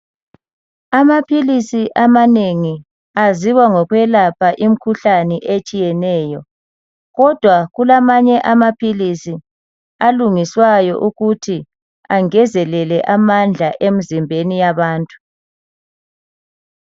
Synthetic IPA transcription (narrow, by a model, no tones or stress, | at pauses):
amapʰilisiʔamaneŋi | aziwaŋɔɣwɛlapʰaʔim̩kʰuɬanɛʔet͡ʃʼijɛnɛːjɔ | ɣɔd̥ʱwaɣulamaɲɛʔamapʰilisi | aluŋiswajɔ̰ʔuɣutʰi | aŋɛzɛlɛlɛʔamand͡ɮʱaʔem̩zimbʱenijaβaːntʼu̥